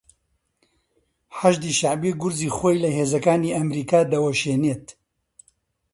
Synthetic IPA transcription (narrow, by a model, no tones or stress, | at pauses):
ħaʒd̪iʃaʕbiɡʊɾziːxojlɐɦeːzɐkaːniːɐmɾiːkaːd̪ɐwɐʃeːneːt̪